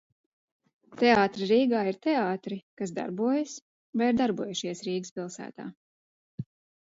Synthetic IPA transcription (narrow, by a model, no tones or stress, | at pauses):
t̪ɛaɑːt̪ɾiɾiːɡaːiɾt̪ɛaːt̪ɾikasd̪a̰ɾbuɔjɨs | vajiɾd̪aɾbuɔjuʃiɛsɾiːɡɨspʲilˠsæ̰ːt̪a̰ː